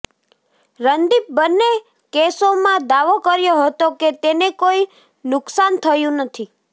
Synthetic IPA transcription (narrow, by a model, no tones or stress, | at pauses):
ɾənd̪ip̚bənːe | kesomãd̪aʋokəɾjoɦət̪oket̪enekoi | nʊksant̪ʰəjũnət̪ʰi